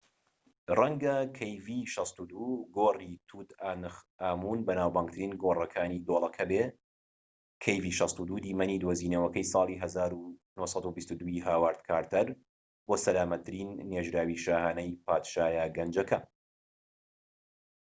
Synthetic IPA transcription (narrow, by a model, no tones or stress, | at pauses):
rɐŋɡɐkʰɐjviːʃɑst̪ud̪uːɡoːrit̪ʰuːt̪anɨx | aːmuːnbɐnaːwbaːŋɡt̪ʰɨɾiːnɡorˤɐkʰaːnid̪oːlˠɐkʰɐbe | kʰejviʃɑst̪ud̪uːd̪iːmɐniːd̪woziːnɐwɐkɐjsˤɑːlˠiːɦɐzaːɾunuhsˤɑd̪ubist̪ud̪uiɦaːwaːɾt̪̚kʰaːɾt̪ʰɐɾ | boːsɐlaːmɐt̪ʰːɨɾiːnːeːʒɾaːwiːʃaːhaːnɐjpʰaːt̪ʃaːjaːɡɐnd͡ʒɐkʰɐ